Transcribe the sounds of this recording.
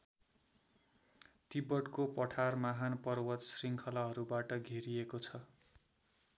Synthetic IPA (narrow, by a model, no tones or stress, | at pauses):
t̪ibʌɽkopʌʈʰarmaɦanpʌrwʌt̪sriŋkʰʌlaɦʌɾubaʈʌɡʱeɾiekot͡sʰʌ